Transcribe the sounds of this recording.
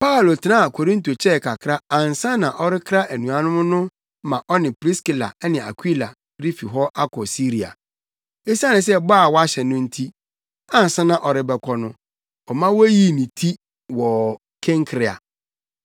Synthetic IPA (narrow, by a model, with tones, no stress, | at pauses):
pa˦˨lo˨tʰɪ˨nã˦a˨kʰo˨ɾĩ˦nto˨t͡ɕʰɛ˦˨kʰa˨kʰɾa˦ã˨n˨sã˦nã˨ʔɔ˦ɾɪ˦kʰɾa˦ʔæ˨nũ˨a˨nʊ̃˦mʊ̃˦nʊ̃˦ | mã˨ʔɔ˦nɪ̃˨pɾi˦ski˨la̰˨˦nɪ̃˨a̰˨kʷʰi˦la̰˨ | ɾi˦fi˨ɦɔ˦ʔa˦kʰɔ˨si˦ɾi˨a̰˨ | e˦sa˦nɪ̃˨s̬ɛ˦baː˦˨wɔ˦a˦ɕɛ˨nʊ̃˦n̩˦tʰi˦ | ã˨n˨sã˦nã˨ʔɔ˨ɾɪ˦bɛ˨kʰɔ˦nʊ̃˦ | ɔ˨mã˦wɔ˦ji˦nĩ˨tʰi˦ | wɔ˨ | kʰɛ̃˦ŋkʰɾɪ˨a̰˨